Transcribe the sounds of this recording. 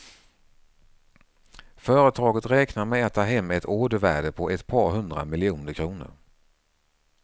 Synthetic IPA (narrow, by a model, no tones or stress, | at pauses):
fœːɾət̪ʰɑːɡət̪ɾɛːknaɾmɛɛːtt̪ʰaɦɛmːɛt̪ʰoːd̪əvæːɖəpʰɔʔɛt̪pʰɑːɾɦɵnd̪ɾa̰mɪlɪuːnəɾkʰɾuːnə̰ɾ